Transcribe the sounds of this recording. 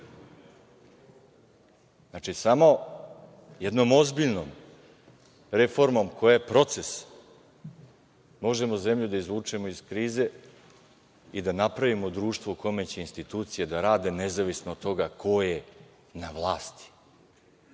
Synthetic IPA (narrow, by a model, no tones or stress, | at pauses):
znat͡ʂisamo̞ | je̞d̪no̞mo̞zbiʎno̞m | ɾe̞fo̞ɾmo̞mko̞jajepɾo̞t̪se̞s | mo̞ʒe̞mo̞ze̞mʎud̪aizʋuːt͡ʂemo̞izkɾiːze̞ | id̪anapɾaʋimo̞d̪ɾuːʃt̪ʋouko̞me̞t͡ɕeinst̪it̪uːt̪sijed̪aɾaːd̪e̞ne̞zaʋisnoːt̪ːo̞ɡakʰo̞je | naʋlˠaːst̪i̥